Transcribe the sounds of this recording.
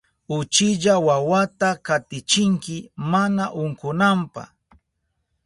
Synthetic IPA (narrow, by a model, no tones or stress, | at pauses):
ʊt͡ʃɪʎawawat̪akat̪ɪt͡ʃɪŋkɪmanaʔʊŋkʊnampa̰